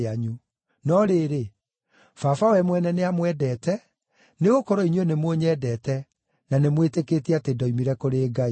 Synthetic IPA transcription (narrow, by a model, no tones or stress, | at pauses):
aɲu | nɔɾeːɾe | fafawɛmwɛnɛneamwɛdɛːtɛ | neɣokɔɾɔiɲwenemwoɲɛːdɛtɛ | nanemweteketiatedɔimiɾɛkoɾeːɡai